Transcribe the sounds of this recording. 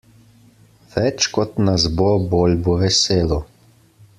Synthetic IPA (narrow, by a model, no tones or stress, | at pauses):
ʋɛt͡ʃkɔt̪nazbobolʲbɔʋɛseːlɔ